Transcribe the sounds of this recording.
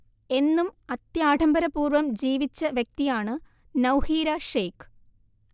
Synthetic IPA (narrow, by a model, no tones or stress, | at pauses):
e̞nːumɐt̪jaːʈʰɐmbɐɾɐpuːrʋɐmd͡ʑiːʋit͡ɕːɐʋjɐk̚t̪ijaːɳɨ | nɐwhiːɾɐʂejkɨ̥